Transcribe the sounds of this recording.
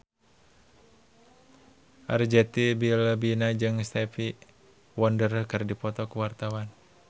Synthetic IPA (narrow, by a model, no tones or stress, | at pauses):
ʔard͡ʒɛt̪ibilbinad͡ʒɨŋst̪ɛfi | wɔndərəkɨrdipɔt̪ɔkuwart̪awan